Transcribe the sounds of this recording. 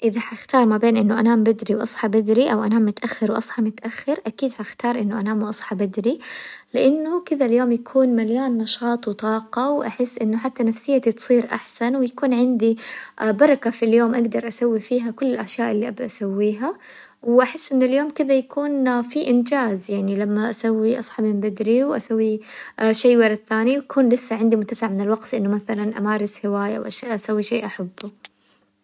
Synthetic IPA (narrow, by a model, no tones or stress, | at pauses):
ʔɪðaħaxt̪ɑːɾˤmabeːnʔɪnːʊʔanaːmbɪd̪ɾiwʔɑsˤħɑbɪd̪ɾiʔawʔanaːmːʊt̪ʔaxːɑɾwʔɑsˤħɑmʊt̪ʔaxːɪɾʔakiːd̪ħaxt̪ɑːɾˤʔɪnːʊʔanaːmʔɑsˤħɑbɪd̪ɾilɪʔanːʊkɪd̪aljoːmjakʰuːnmalːaːnːɑʃɑːt̪ˤwɪt̪ˤɑːqɑwʔaħɪsːʔɪnːʊħat̪ːanafsɪjːat̪it̪sˤiːɾʔa̰ħsanwɪjakuːnʕɪnd̪ibɑɾˤɑkafiljoːmʔaɡd̪ɑɾˤʔasawːifiːɦakʊlːɪlʔaʃjaːʔɪlːiʔabd̪ʔasawːiːɦa | wʔaħɪsːʔɪnːʊljoːmkɪd̪ajakuːnfiʔɪnd͡ʒaːzjaʕnilamːaʔasawːiʔɑsˤħɑbmɪmbad̪ɾiwʔasawːiʃeːwɑɾˤɑd̪θaːniwakʰuːnlɪsːaʕɪnd̪imʊt̪ːasɪʕmɪnɪlwɑɡt̪lʔɪnːʊmaθalanʔa̰maːɾˤɪshɪwaːjawʔaʃaʔasawːiʃeːʔaħabːʊ